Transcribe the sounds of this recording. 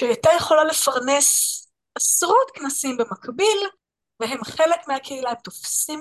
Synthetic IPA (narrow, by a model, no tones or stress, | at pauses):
ʃeat̪ajeχo̞lale̞faʁne̞s | ʔasʁutknasimbe̞makbil | veɦe̞mχelekmeakʰeilaemt̪o̞fsim